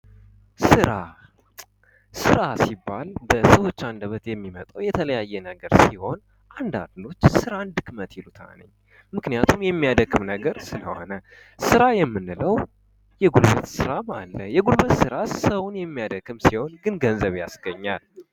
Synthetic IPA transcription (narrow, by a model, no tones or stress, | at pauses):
sɨɾa | sɨɾasibːalbəsəwo̞t͡ʃːand̪əβət̪jɛmːimət̪ʼəwjɛt̪ʰələjajːɛnəɡəɾsiho̞n | ʔand̪a̰nd̪lo̞t͡ʃːsɨɾand̪ɨkmət̪jɪlut̪ʰa̰nə̰ɲː | mɨknijat̪ʰumjɛmːijad̪əɡʼɨmnəɡəɾsɨlə̰ho̞̰nə | sɨɾajɛmːɨnːɨləw | jɛɡulβɨt̪sɨɾama̰lːəjɛɡulbɨt̪sɨɾasəwʊnjɛmːijad̪əɡːɨmsiho̞nɡɨnɡənzəβjasɡəɲːal